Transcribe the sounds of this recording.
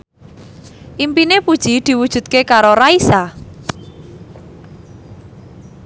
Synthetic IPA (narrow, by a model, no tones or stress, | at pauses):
ʔimpinepud̥ʒ̥id̪̥i̤wud̥ʒ̥ṳt̪̚kekaɾoɾaisa